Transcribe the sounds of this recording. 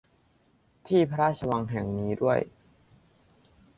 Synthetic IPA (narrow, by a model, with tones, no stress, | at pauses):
t̪ʰiː˥˩pʰa˧ɾaː˥˩t̪̚t͡ɕʰa˧wa˧ŋɦɛ˨˩ŋniː˦˥du˥˩əj